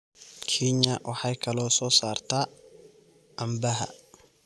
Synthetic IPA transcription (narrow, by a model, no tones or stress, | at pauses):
kʰiɲːɐwʔɑħɑjkʰɐlɔːsɔːsaːrt̪ʰaː | ʔɐmbɐɦɐ̰